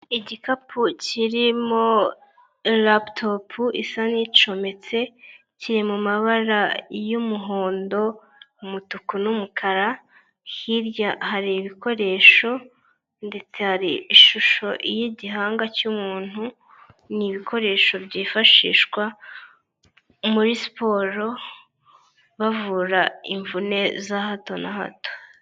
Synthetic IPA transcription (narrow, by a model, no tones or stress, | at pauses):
iɟikapʰuciɾimo̞ | laptʰopʰuʔisanit͡ʃo̞me̞t͡se̞ | ciɾimumaβaɾajumuɦo̞ːndo̞ | mutukunumukʰaɾa | hiɾjahaɾiβiko̞ɾe̞ːʃo̞ | nde̞t͡se̞haɾiiʃuʃo̞ʔijiɟiɦaːŋɡacumuːn̥hu | niβikʰo̞ɾe̞ːʃo̞bɟiːfaʃḭːʃkwa | muɾispo̞ːɾo̞ | βavuɾaiɱvune̞zahato̞na̰ha̰to̥